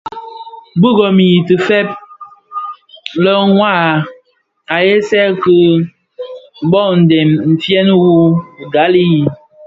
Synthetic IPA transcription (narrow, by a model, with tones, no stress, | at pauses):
bu˦ɡɔ˨mi˨i˨tɨ˨fɛ˦p̚ | lə˦ŋwa˦˨ | a˨je˦sɛ˦kɨ˦ | bɔ˦˨n̩˨dɛ˨mm̩˨fjɛ˦n˦wu˦˨ɡa˨˦li˦i˨